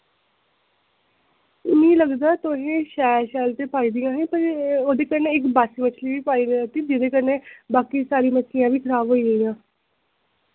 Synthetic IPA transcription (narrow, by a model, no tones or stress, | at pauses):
ɪnĩːləɡd̪aːt̪ʊɦẽːʃɛːlʃɛːlt̪eːpaːiːd̪ɪjãːɦẽːpəɾoːd̪eːkəɾnẽːɪkbaːsiːmət͡ʃʰliːʋiːpaːiːd̪ət̪iːd͡ʒɪd̪eːkəɾnẽːbaːkiːsaːɾiːmət͡ʃʰlijãːʋiːkʰəɾaːbɦoːiːɡəijãː